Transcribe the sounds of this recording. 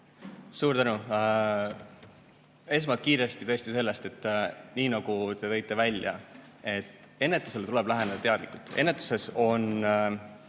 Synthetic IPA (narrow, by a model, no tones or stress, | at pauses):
suːɾt̪ænu | e̞s̬mɑkiːɾe̞st̪it̪ɤ̞esʲt̪ise̞lːe̞st̪e̞t̪ˑːniːnɑɡ̥ut̪e̞t̪ɤ̞jt̪ˑːe̞vælʲjɑ̰ | e̞t̪ːˑ | e̞nːe̞t̪ːˑuse̞lt̪ule̞b̥læɦened̪ɑt̪eɑd̪likult̪ˑenːet̪ːˑu̥se̞so̞n